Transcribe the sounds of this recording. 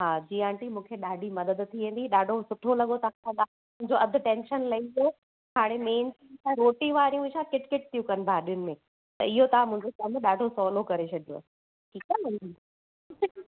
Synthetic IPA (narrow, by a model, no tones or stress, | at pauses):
ɦaːd͡ʑiːãːɳʈimũːkʰeɗaːɖʱimɐd̪əd̪t̪ʰːiʋẽːn̆d̪iɗaːɖʱosʊʈʰolɐɠot̪ɐãsãa | mʊ̃ɦɪ̃ɲd͡ʑoɐd̪ʱʊ̆ʈẽːnʃənlɐio | kʰaːɽ̃emeːnsɾĩŋsãːɾoːʈĩʋaːɾijũɪʃãkɪʈkɪʈ̚t̪ijũkɐnbʱaːɗijʊnɪ̆mẽ | t̪ɐ̰ɪɦot̪ɐãmʊ̃ɦɪ̃ɲd͡ʑokɐmɗaːɖʱosɔːlokɐɾet͡ɕʰɐd̪ʱjo̰ɐ̰s | ʈʰiːkaɐ